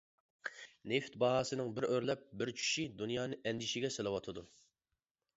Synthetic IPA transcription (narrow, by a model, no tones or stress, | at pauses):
neft̪̚bɑɦɑːsɨnɨŋbɪɾøɾlɛp̚bɪɾt͡ʃʰy̥ʃid̪unjɑːnɨʔɛnd̪ɪʃɪɡʲɛselˠɨwɑt̪ʰɨd̪u